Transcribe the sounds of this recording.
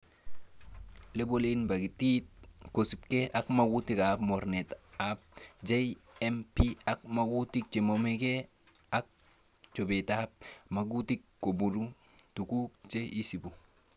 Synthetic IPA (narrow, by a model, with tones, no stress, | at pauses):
le˦boli˦nba˨ɡi˨ti˦t̚ko˨si˨p̚ke˦ʔa˦kmaɡu˦ti˦kapmo˨ɾnetap̚d͡ʒe˦empia˦k̚maɡu˦ti˦k̚t͡ʃe˨mome˦ke˦ | a˦k̚ | t͡ʃo˨betap̚ma˨ɡu˦ti˦kːo˨bu˨ɾu˦ | tu˨ku˦t͡ʃe˦i˦si˨bu